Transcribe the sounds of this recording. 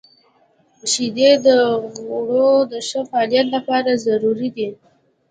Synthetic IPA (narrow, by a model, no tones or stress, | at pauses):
əʃid̪ed̪əɣoɽod̪əʃəfaːlijat̪lapɑɾazaɾuɾid̪i